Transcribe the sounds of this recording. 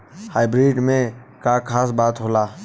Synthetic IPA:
haːɪbɾiːɖmẽkakʰaːs̬baːt̪ɦolaː

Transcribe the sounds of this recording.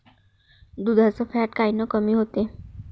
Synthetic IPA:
d̪ud̪ʱat͡səfaʈkainəkəmiːɦot̪e

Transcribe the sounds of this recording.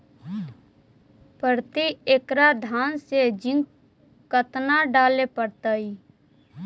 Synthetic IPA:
pəɾt̪ieːkɾad̪ʱaːnsed͡ʒɪ̃ŋɡ | kət̪naɖaːlepəɽt̪aiː

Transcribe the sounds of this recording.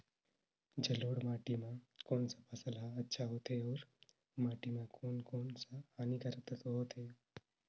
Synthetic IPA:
d͡ʒəloːɽmaːʈimãkoːnsapʰəsəlaətːʃʰaɦoːt̪eɔːɾ | maːʈimãkoːnkoːnsahaːnikəɾət̪ət̪oɦoːt̪ʰe

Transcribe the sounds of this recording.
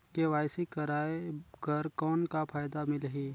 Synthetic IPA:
keʋaːɪsikəɾaːekəɾkɔːnkapʰaːjd̪amɪlɦiː

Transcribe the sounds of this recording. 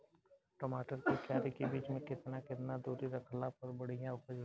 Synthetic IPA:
ʈoːmaːʈəɾkikjaːɾikibiːt͡ʃmẽkɪt̪nakɪt̪nad̪uːɾiɾɐkʰlapɐɾbɐɽ̤ijãʊpəd͡ʒɾ

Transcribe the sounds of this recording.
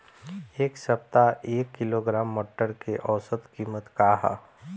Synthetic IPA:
eːksəp̚t̪aʔeːkːɪloɡɾaːmːɔːʈːəɾkeʔɔːsəd̪kiːmət̪kaːɦa̰

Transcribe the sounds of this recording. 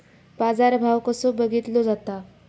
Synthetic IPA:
bad͡zaɾbʱawkəsobəɡit̪lod͡zat̪a

